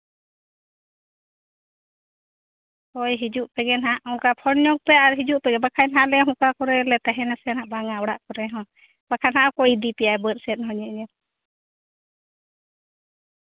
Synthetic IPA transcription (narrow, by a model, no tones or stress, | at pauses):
kɔjɦid͡ʒuʔpɛɡɛnɦaʔɔŋkapʰɔnɲɔŋ̚pɛaɾɦid͡ʒuʔpɛɡɛbakʰanɦaʔlɛɦũkakɔɾɛlɛt̪aɦɛnasɛnhaʔbaŋawɔɽaʔkɔɾɛɦɔ̃ | b̥akʰanhaʔakɔid̪ipijaɛbət̪sɛt̪̚ˀhɔɲɛʔɲɛ